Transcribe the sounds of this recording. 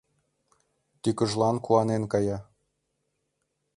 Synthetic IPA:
t̪ykə̆ʒlˠɑnkuɑnenkɑjɑ

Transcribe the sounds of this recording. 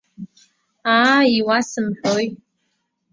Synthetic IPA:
aiwasɨmħᶣoj

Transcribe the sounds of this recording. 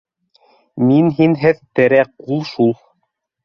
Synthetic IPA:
minɦinɦɘðt̪ɘ̆ɾæqulˠʃulˠ

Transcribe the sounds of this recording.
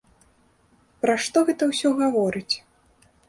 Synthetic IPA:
pɾaʂt̪ɔɣɛt̪ɐwsʲɔɣavɔɾɨt͡sʲ

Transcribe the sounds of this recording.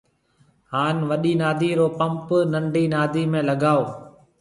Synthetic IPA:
ɦaːnʋəɗiːnaːd̪ʱiːɾoːpə̃mpnəɳɖiːnaːd̪ʱiːmẽːləɠaːoː

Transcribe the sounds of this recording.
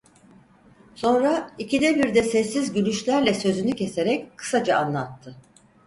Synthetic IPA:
so̞nɾaicid̪ɛbiɾd̪ɛsɛsːizɟynyʃlʲæɾlʲɛsø̞zynycʰe̞se̞ɾɛckʰɯ̥sad͡ʒaanlˠat̪ʰːɯ

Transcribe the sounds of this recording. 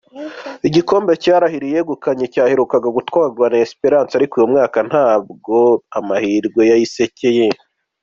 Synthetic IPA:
iɟiko̞ːmbe̞caːɾahiɾije̞ɡukaɲecaːhe̞ɾukaɡaɡutwaːɡwanaesi̥peɾaːnsaɾikuːjomŋaːkan̥haːbɡo̞amahiɾɡwe̞jajise̞ce̞je

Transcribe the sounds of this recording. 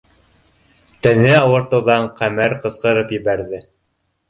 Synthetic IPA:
t̪ænɘɑwɤ̆ɾt̪ɤ̆wðɑɴqæmæɾqɤ̆sqɤ̆ɾɤpjɘ̆βæɾðɘ

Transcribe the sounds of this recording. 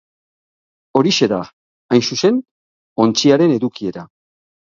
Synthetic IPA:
o̞ɾise̞ða | ajnsuse̞n | o̞nt͡siaɾe̞ne̞ðukie̞ɾa

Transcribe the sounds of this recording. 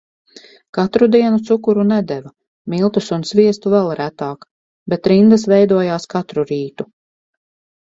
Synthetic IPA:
kat̪ɾud̪iɛnut̪sukuɾunɛd̪ɛva | milˠt̪usunsviɛst̪uvɛlˠɾæt̪aːk | bɛt̪ɾind̪asvɛjd̪uɔjaːskat̪ɾuɾiːt̪u

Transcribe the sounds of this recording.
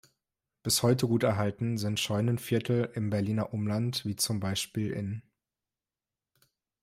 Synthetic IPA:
b̥ɪshɔʏtəɡuːtɛɐɦaltn̩zɪntʃɔʏnənfɪɐtʰl̩ɪmbɛɐliːnɐʔʊmlantv̥iːt͡sʊmbaɪʃpiːlʔɪ̰n

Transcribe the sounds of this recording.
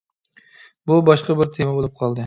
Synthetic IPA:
bubɑʃqɑbɪɾt̪ʰemɛbolˠup̚qʰɑlˠd̪ɨ

